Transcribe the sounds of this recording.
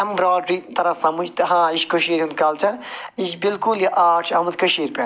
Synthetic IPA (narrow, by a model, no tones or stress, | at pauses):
ɐmbɾaːɖɾit̪ɐɾɐsɐmud͡ʒt̪ɦãːiʃkoʃiːɾund̪kɐlt͡ʃʰɐniʃbilkuljiʔaːʈʰɐmɐt̪kɐʃiːɾpen